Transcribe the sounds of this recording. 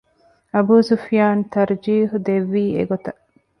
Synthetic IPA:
ɐbuːsufjaːnt̪ɐɾd͡ʒiːɦud̪eʋːiːḛɡot̪ɐ

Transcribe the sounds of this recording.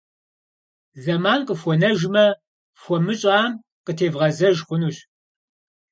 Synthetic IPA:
zɐmaːnqʼəfʷɔnɐʒmɐ | fʷɔmɨɕʼaːm | qətʰeːvʁɐzɐʒχʷʊnuːɕ

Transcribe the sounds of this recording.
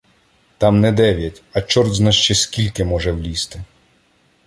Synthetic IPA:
t̪ɑmnɛd̪ɛʋʲjɐtʲɐt͡ʃɔrd̪znaʃt͡ʃɛskʲilʲkɪmɔʒɛwlʲist̪ɪ

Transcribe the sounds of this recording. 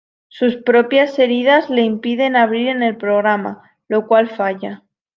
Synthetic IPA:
suspɾo̞pjase̞ɾið̞azle̞impiðe̞naβ̞ɾiɾe̞ne̞lpɾo̞ɣɾama̰ | lo̞kwalfaʝa

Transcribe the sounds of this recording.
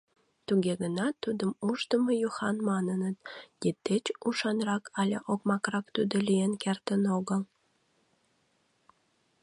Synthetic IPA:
t̪uɣeɣənɑt̪ːud̪əmuʃt̪əməjuxɑnmɑnənət̪d̪it̪ːet͡ɕuʃɑnrɑkʰɑlʲeʔokmɑkrɑkt̪ud̪olʲijenkert̪ənoɣəlˠ

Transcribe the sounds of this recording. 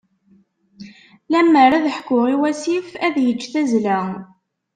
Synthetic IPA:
læmːəɾæðəħkːʊʁiwæsifæðjət͡ʃːθæzlæ

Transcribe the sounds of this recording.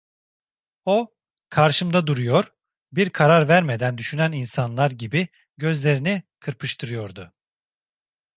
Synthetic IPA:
o | kʰaɾʃɯmd̪ad̪uɾujo̞ɾ | biɾkʰaɾaɾvæɾme̞d̪ænd̪yʃynæninsanlˠaɾɟibi | ɟø̞zlʲe̞ɾinikʰɯɾpʰɯʃt̪ʰɯɾɯjo̞ɾd̪ʊ

